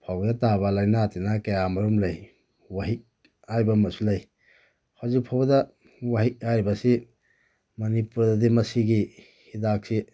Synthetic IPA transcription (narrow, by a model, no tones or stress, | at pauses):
pʰawɡdatabalajnatinakɐjamɐɾumlaj | waɦik̚ | ajbamɐsulaj | hawzik̚pʰawbada | waɦik̚aɾibasi | mɐnipuɾdadimɐsiɡi | hidak̚si